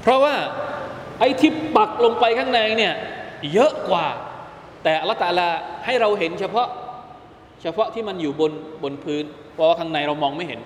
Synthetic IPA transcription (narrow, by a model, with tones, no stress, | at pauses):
pʰɾɔ˦˥waː˥˩ | ʔa˧jt̪ʰi˦˥˩p̚ba˨˩k̚lo˧ŋpa˧jkʰaː˥˩ŋna˧jni˥˩ɐjɤ˦˥ʔkwaː˨˩ | t̪ɛː˨˩ʔa˧la˦˥t̪ʰːa˧ʔa˧laː˧ha˥˩jɾa˧wɦe˩˦nt͡ɕʰa˧pʰɔ˦˥ʔ | t͡ɕʰa˧pʰɔ˦˥ʔt̪ʰiː˥˩ma˧njuː˨˩bo˧nbo˧npʰɯː˦˥npʰɔ˦˩waː˥˩kʰa˧˥ŋna˧jɾa˧wmɔː˧ŋma˥˩jɦe˩˦n